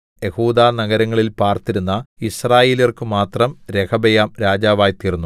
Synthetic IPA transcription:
je̞huːd̪aːnɐɡɐɾɐŋːɐɭilpaːrt̪iɾunːɐisraːjeːliiɐrkɨmaːt̪rɐmɾekʰɐbɐjaːmɾaːd͡ʑaːʋaːjt̪iːrunːu

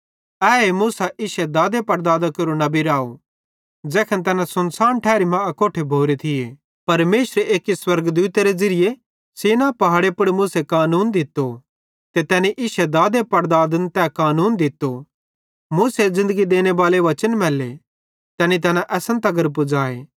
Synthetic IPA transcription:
ɛːemuːsaʔɪʃed̪aːd̪epɐɾd̪aːd̪akɐɾunɐbiɾaːo | d͡ʒɛːkʰənt̪̬ɛːnãsʊnsaːnʈʰɛːɾimãɐkoːʈʰebʱoːɾet̪ʰɪje | pɐɾmeːʃɾeʔeːkiswɐɾɡd̪uːt̪eɾed͡zɐɾɪje | seːnapɐɦaːɽepʊɽmʊːsekaːnuːnd̪ɪt̪ːo | t̪et̪ɛːniʔɪʃed̪aːd̪epɐɾd̪aːd̪ənt̪ɛːkaːnuːnd̪ɪt̪ːo | muːsezɪ̃nd̪əɡid̪eːnebaːleʋɐt͡ʃənmɛːlːe | t̪ɛːnit̪ɛːnãʔɛːsə̃nt̪ɐɡəɾp̬ʊd͡zaːḛː

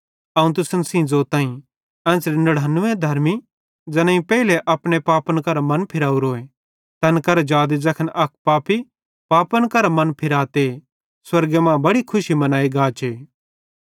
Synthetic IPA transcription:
ɐũt̪ʊsənsĩd͡zoːt̪aːĩ | ɛ̃ːsɾinɐɽanːʊ̃ẽd̪ʱɐɾmi | d͡zɐnãːĩpɛːileʔɐpɽepaːpənkɐɾamɐnpʰɪɾaːuɾoːe | t̪ɐnkɐɾed͡ʒaːd̪id͡zɐkʰənʔɐk̚ʰpaːpi | paːpənkɐɾamɐ̃npʰɪɾaːt̪e | swɐɾɡemãːbɐɽikʰʊʃimɐnaːiɡaːt͡ʃʰeː

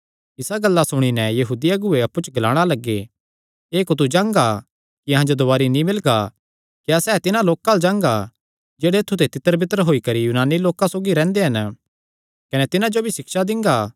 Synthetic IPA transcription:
ɪsaɡɐlːasʊɽ̃inɛjɐɦuːd̪ijaɡʊeɐpːut͡ʃɡɐlaːɽ̃alɐɡːe | eːkot̪̬ud͡ʒãːŋɡa | kiɐɦãd͡ʒod̪ʊaːɾinĩmɪlɡa | kjaːsɛːt̪ɪnãloːkald͡ʒãːŋɡa | d͡ʒeːɽeːt̪ʰːut̪et̪ɪt̪ːəɾbʱɪt̪əɾəɦoːikɐɾijuːnaːnːiloːkãsoːɡiɾɛ̃ːnd̪eɦɐn | kɐnɛt̪ɪnãd͡ʒobʱisɪkʃad̪ɪ̃ŋɡaː

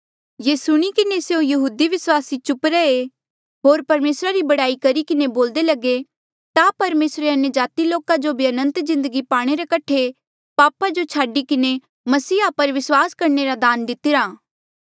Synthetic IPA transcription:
jeːsʊɽ̃ikɪneseũjɐɦuːd̪iʋɪswaːsit͡ʃʊpɾɛe | ɦoːɾpɐɾmeːsɾaɾibɐɽaːikɐɾikɪneboːld̪elɐɡe | t̪apɐɾmeːsɾeɐnjəd͡ʒaːt̪iloːkad͡ʒobʱiɐnə̃nt̪zɪ̃nd̪əɡipaːɽ̃eɾekɐʈʰe | paːpad͡ʒot͡ʃʰaːɖikɪne | mɐsiːapɐɾʋɪswaːskɐɾneɾad̪aːnd̪ɪt̪ɪɾaː

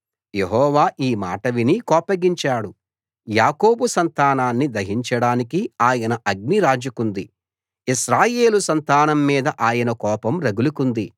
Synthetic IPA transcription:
jeɦɔːʋaːʔiːma̰ːʈɐʋinikɔːpɐɡiɲt͡ʃaːɽu | jaːko̞ːbusɐnt̪aːnaːnːid̪ɐɦiɲt͡ʃɐɽaːnikiaːjɐnɐʔɐɡ̚niɾaːd͡ʒɐkund̪i | iʃɾaːje̞ːlusɐnt̪aːnɐmːiːd̪ɐʔaːjɐnɐkɔːpɐmɾɐɡulukund̪i

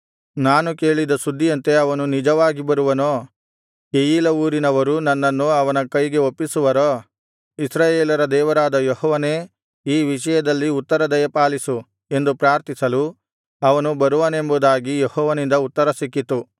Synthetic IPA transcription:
naːnuke̞ːɭid̪ɐsud̪ʱːijɐnt̪e̞ɐʋɐnunid͡ʒɐʋaːɡibɐɾuʋɐnoː | kejiːlɐuːɾinɐʋɐɾunɐnːɐnːuɐʋɐnɐkɐjɡe̞opːisuʋɐɾoː | isɾaːjeːlɐɾɐd̪ɛːʋɐɾaːd̪ɐjehɔːʋɐne̞ː | iːʋiʂɐjɐd̪ɐlːiut̪ːɐɾɐd̪ɐjɐpaːlisu | e̞nd̪upɾaːɾt̪isɐlu | ɐʋɐnubɐɾuʋɐne̞mbud̪aːɡijehɔːʋɐnind̪ɐut̪ːɐɾɐsikːit̪u

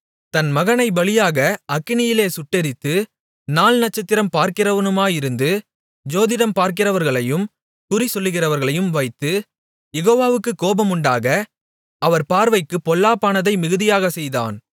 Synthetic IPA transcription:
t̪ɐnmɐɣɐnɐɪbɐɭɪjaːɣɐʔɐkːɪnɪjɪleːsʊʈːɛɾɪt̪ːɯ | naːlnɐʈ̚t͡ʃːɐt̪ːɪɾɐmpaːɾkɪrɐʋɐnɯmaːjɪɾɯnd̪ɯ | d͡ʒoːðɪðɐmpaːɾk̬ɪrɐʋɐɾɣɐɭɐjɯm | kʊrisɔlːɯɣɪrɐʋɐɾɣɐɭɐjɯmʋɐɪt̪ːɯ | jɛɣoːʋaːʋɯkːɯkːoːbɐmʊɳɖaːɣɐ | ʔɐʋɐɾpaːɾʋɐɪkːɯpːɔlːaːpːaːnɐðɐɪmɪɣɯðɪjaːɣɐsɛjða̰ːn

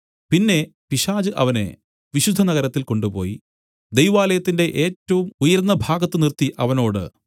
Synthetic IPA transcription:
pinːe̞piɕaːd͡ʑɨʔɐʋɐne̞̰ | ʋiɕud̪ʱːɐnɐɡɐɾɐt̪ːilko̞ɳɖupo̞ːji | d̪ejʋaːlɐjɐt̪ːinde̞ʔeːtːɐʋumujɐɾnːɐbʱaːɡɐt̪ːɨnirt̪ːiʔɐʋɐno̞ːɽɨ̰

